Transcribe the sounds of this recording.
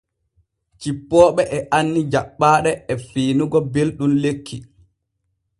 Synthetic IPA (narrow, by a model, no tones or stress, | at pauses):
t͡ʃipːɔːɓɛʔɛʔanːid͡ʒaɓːaːɗɛɛfiːnuɡɔbelɗunlekʰːi